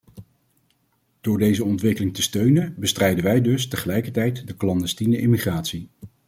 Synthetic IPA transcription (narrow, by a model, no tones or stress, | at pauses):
d̥ʊːɹdejzəɔntʋɪkəlɪŋtəstøɥnənbəstrɛjdənʋɛjdɵstəχəlɛjkəɹtɛjtdəklɑndɛstinəʔɪmiχraːtsi